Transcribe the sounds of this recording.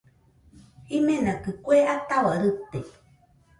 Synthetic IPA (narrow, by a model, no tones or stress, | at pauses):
imẽnakɨkʷeʔat̪awaɾɨt̪e